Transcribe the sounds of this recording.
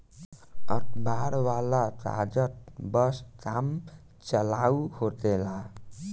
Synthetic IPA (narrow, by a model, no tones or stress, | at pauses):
əʈʰbaɾwalat̪a̰d͡ʒət̪̚bəskam | t͡ʃəlauhot̪ela